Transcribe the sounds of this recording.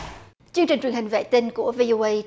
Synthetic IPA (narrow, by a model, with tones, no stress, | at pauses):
t͡ɕɨ˧əŋt͡ɕi˨˩ŋt͡ɕwi˨˩ənhï˨˩ŋ̟vḛ˧˨t̪i˧nku˧˩əvi˧ʔo˧ʔə˧j